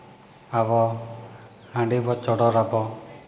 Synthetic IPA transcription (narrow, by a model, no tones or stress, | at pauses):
aβɔ | hãɳɖibɔt͡ʃɔɽɔɾapɔ